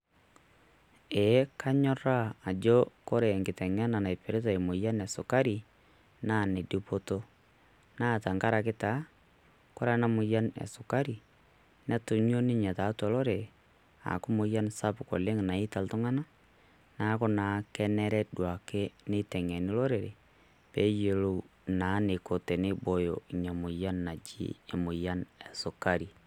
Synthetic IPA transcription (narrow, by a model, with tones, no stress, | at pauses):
e˨˦ka˦ɲɔ˦ɾa˦a˨d͡ʒo˦kɔ˦ɾe˨ŋɡɪ˨tɛ˨ŋɛ˦na˨na˨jpɛ˨ɾɪ˦to˨e˨mʊ˨ja˦nɛ˨sʊ˨ka˦ɾi˨ | na˦˨ne˨di˦po˦to˦ | naː˦ta˨ŋka˦ɾa˨kɪ˦ta˦ | kɔ˦ɾa˦na˦mʊ˨ja˦nɛ̰˨sʊ˨ka˦ɾi˨ | nɛ˦tʊ˨ɲo˦nɪ˦ɲa˨ta˨˦ta˨lɔ˦ɾe˨ | a̰˨kʊ˦mʊ˨ja˦nsa˦pkɔ˨le˦ŋna˨i˦ta˨ltʊ˦ŋa˦na˦ | na˨˦kɔ˦na˨kɛ˦nɛ˦ɾɛ˦dwa˨ke˦nɪ˦tɛ˨ŋɛ˨nɪ˦lɔ˦ɾe˨ɾḛ˨ | pe˨˦je˨lo˦na˨˦nɪ˨ko˨te˨nɪ˦bo˦jo˨i˨ɲa˨mʊ˨ja˦nːa˨d͡ʒḭ˦e˨mʊ˨ja˦nɛ˨sʊ˨ka˦ɾi˨